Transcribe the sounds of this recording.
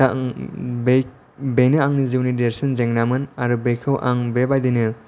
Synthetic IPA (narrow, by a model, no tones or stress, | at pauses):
b | benɯaŋniziwnideɾsinzeŋnamɯnaɾubekʰɯwʔaŋbebajd̪inɯ